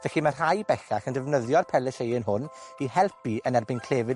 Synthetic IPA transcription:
vɛɬimar̥hajbɛxaxəndɛvnəðjɔrpʰɛlɛʃejənɦʊnihɛlˠpiənɛrbɪnkʰl̥eːvɪ

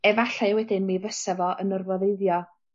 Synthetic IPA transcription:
ɛvaɬawɛdɪnmivəsavɔʔənərvɔðeɨðjɔ

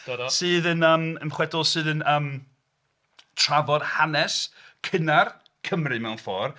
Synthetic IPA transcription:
ədsɨːðənəːmənχwɛdʊlˠsɨːðənəːm | tʰr̥avɔd̥hanɛskʰɪnar | kʰəmrɨmɛwnfɔ̰ːr

